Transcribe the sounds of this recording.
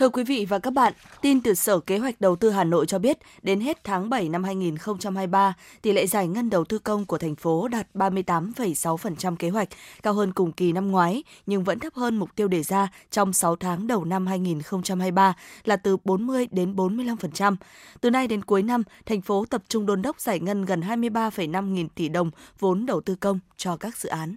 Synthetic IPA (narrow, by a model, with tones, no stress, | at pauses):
t̪ʰɨ˧əkwi˨˦vḭ˧˨vaː˨˩kaː˦˥k̚ɓa̰ː˧˨nt̪i˧nt̪ɨ˨˩səː˧˩ke˨˦ɦwa˨˩jk̟̚ɗə˨˩wt̪ɨ˧ɦaː˨˩no̰˧˨jt͡ɕɔ˧ɓi˦˥ət̚ | ɗe˨˦nɦe˦˥t̚t̪ʰaː˨˦ŋɓə˧˩jna˧mhaː˧jŋi˨˩nxə˧wŋ͡mt͡ɕa˧mhaː˧jɓaː˧ | t̪ḭ˧˩lḛ˧˨zaː˧˩jŋə˧nɗə˨˩wt̪ɨ˧kə˧wŋ͡mku˧˩ət̪ʰɛ˨˩ŋ̟fo˨˦ɗaː˨˩t̚ɓaː˧mɨ˧əjt̪aː˨˦mfə˨˩jsa˨˦wfə˨˩nt͡ɕa˧mke˨˦ɦwa˨˩k̚kaː˧wɦəː˧nkʊ˨˩ŋ͡mki˨˩na˧mŋwaː˨˦jɲɨ˧ŋvə̰˧˥nt̪ʰə˦˥p̚həː˧nmʊ˨˩k͡p̚t̪i˧əwɗe˧˩zaː˧t͡ɕɔ˧wŋ͡msa˨˦wt̪ʰaː˨˦ŋɗə˨˩wna˧mɦaː˧jŋi˨˩nxə˧wŋ͡mt͡ɕa˧mhaː˧jɓaː˧laː˨˩t̪ɨ˨˩ɓo˨˦nmɨ˧əjɗe˨˦nɓo˨˦nmɨ˧əjla˧mfə˨˩nt͡ɕa˧mt̪ɨ˨˩na˧jɗe˨˦nku˨˦jna˧mt̪ʰɛ˨˩jŋ̟fo˨˦t̪ə˨˩p̚t͡ɕʊ˧ŋ͡mɗo˧nɗə˦˥wk͡p̚z̥aː˧˩jŋə˧nɣə˨˩nɦaː˧jmɨ˧əjɓaː˧fə˨˩jna˧mŋi˨˩nt̪i˧˩ɗə˨˩wŋ͡mvo˨˦nɗə˨˩wt̪ɨ˧kə˧wŋ͡mt͡ɕɔ˧kaː˦˥k̚z̥ɨ̰˧˨ʔaː˨˦n